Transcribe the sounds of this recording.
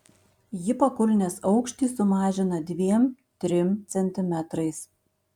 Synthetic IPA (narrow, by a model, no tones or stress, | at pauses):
jɪpɐkʊlʲnʲesɒʊkʃʲt̪ʲiːsʊmɑːʒʲɪnɐd̪ʲʋʲiɛm | t̪ʲɾʲɪmt̪sʲɛnʲt̪ʲɪmʲɛt̪ɾɐɪs